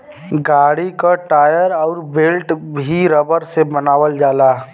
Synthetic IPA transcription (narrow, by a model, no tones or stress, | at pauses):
ɡaːɽikaʈaːjəɾɔːɾbelʈbʱiɾəbəɾsebənaːʋəld͡ʒaːlaː